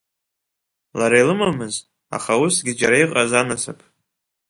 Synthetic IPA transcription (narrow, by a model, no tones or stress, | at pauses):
laɾajlɨmamɨz | a̰χawusɡʲɪd͡ʒaɾajqʼazanɨsapʼʰ